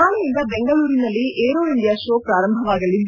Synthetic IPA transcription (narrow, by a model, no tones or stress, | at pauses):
aːɭɐjind̪ɐbɛŋɡɐɭuːɾinɐlːiʔeːɾoːind̪jaːʃoːpɾaːɾɐmbʱɐʋaːɡɐlːind̪